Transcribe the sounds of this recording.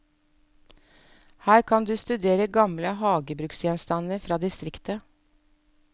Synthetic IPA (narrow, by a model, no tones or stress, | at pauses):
hæːɾkʰɑnd̪ʉːst̪ʉd̪eːɾəɡɑmləhɑːɡəbɾʉksjɛnst̪ɑnəɾfɾɑːd̪ɪst̪ɾɪkt̪ə